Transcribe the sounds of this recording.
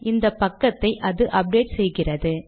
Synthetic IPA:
ʔɪnd̪ɐpːɐkːɐt̪ːɐɪʔɐðɯʔɐp̚ɖeːʈsɛjɣɪrɐðɯ

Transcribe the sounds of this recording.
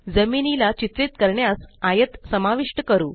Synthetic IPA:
d͡zəminilat͡ɕit̪ɾit̪kəɾɳjasajət̪səmaʋiʂʈəkəɾṵː

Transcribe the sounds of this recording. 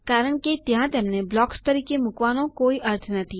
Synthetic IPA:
kaːɾəɽ̃kit̪jɦãt̪ɛːmneblɔːkst̪ɐɾiːkemʊkʋaːnõkoːiʔɐɾt̪ʰnɐt̪ʰi

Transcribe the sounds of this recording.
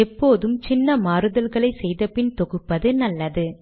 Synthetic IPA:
ɛpːoːðɯmt͡ʃɪnːɐmaːɾɯðɐlɣɐɭɐɪsɛjðɐpɪnt̪ɔɣɯpːɐðɯnɐlːɐðɯ

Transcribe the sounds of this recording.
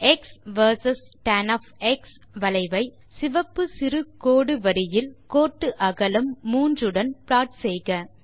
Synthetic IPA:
ɛksʋɐɾsɐsʈɐnɐfɛks | ʋɐlɐɪʋɐɪ | sɪʋɐpːɯsɪɾɯkoːɽɯʋɐɾɪjɪlkoːʈːɯʔɐɣɐlɯmːuːndrɯɽɐnplaːʈsɛjɣɐ

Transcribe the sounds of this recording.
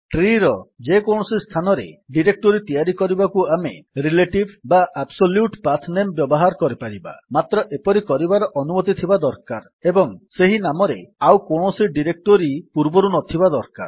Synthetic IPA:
ʈɾiɾɔd͡ʒekowɳ̃ɔsist̪ʰanɔɾḛɖiɾek̚ʈoɾit̪ijaɾikɔɾibakuameɾileʈibbaʔabsoljuʈpat̪ʰnembjɔbɔɦaɾkɔɾipaɾiba̰mat̪ɾɔʔepɔɾikɔɾibaɾɔʔɔnumɔt̪it̪ʰibad̪ɔɾkaɾ | ebɔŋseɦinamɔɾeawkowɳ̃ɔsiɖiɾek̚ʈoɾipuɾbɔɾunɔt̪ʰibad̪ɔɾka̰ɾ

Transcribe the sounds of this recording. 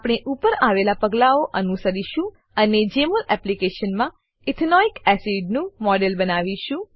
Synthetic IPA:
apɽ̃eʔupəɾaʋelapəɡlaoʔənusəɾiʃũ | əned͡ʒeməlɛplikeʃənmã | ɪt̪ʰnɔikɛsiɖnũmɔɖelbənaʋiʃũ

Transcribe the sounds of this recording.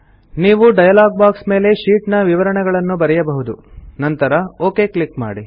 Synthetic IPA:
niːʋuɖɐjɐlaːɡ̚baːksme̞ːle̞ʃiːʈnɐʋiʋɐɾɐɳɛɡɐɭɐnːubɐɾɛjɐbɐɦud̪unɐnt̪ɐɾɐoːke̞ːkɭikma̰ːɽi

